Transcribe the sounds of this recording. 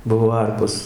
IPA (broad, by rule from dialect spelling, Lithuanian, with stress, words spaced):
ˈbʊʋoː ˈɐrpoːs